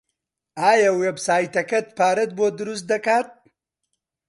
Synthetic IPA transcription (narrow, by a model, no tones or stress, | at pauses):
aːjawebsaːjt̪ɐkɐt̪paːɾɐt̪̚boːd̪ɾus̚d̪ɐkaːt̪̚